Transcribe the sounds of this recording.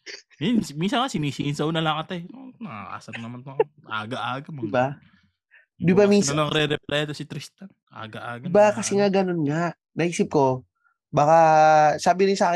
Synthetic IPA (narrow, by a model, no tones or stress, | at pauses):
jansminsɐŋkasɪniːsiɪnsɐʔunɐlɐŋkɐt̪ajonɐa̰ʔa̰ːsɐt̪nɐmant̪oʔa̰ːɡɐʔaːɡɐmoba | d̪ɪbamiːɐlɐŋɾɛɾɛplɛjt̪osɪt̪ɾɪst̪ɐnʔa̰ːɡɐʔaːɡbakɐsɛŋaɡɐnonŋaʔ | nɐʔiːsɪp̚ko̞ | baːkɐsaːbɪnɪsaːkɪ